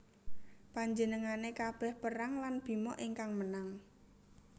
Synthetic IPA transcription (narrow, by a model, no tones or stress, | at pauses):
paɲd͡ʒənəŋanekab̥ɛhpəɾaŋlanb̥i̤mɔʔiŋkaŋmənaŋ